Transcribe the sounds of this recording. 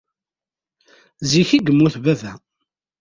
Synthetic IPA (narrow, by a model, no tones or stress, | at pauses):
ziçiɡəmːuθvævæ